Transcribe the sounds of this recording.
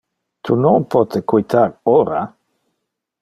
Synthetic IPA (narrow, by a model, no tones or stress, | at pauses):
t̪ʰunoŋpɔt̪ʰekujt̪ʰaɾoɾa